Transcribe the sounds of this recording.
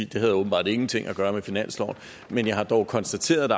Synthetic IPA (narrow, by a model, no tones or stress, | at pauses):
ḭd̥e̝ɦæðˠɔːb̥n̩b̥ɑ̰̈ːd̥e̝ŋn̩t͡sʰe̝ŋ̰ʔæɡ̥ɶːɐmefinæn̰slɒʊn̩ | menjɑ̈ɪhɑ̈d̥ɒʊkʰɒ̽nsd̥æt͡sʰe̝̰ːɐðˠd̥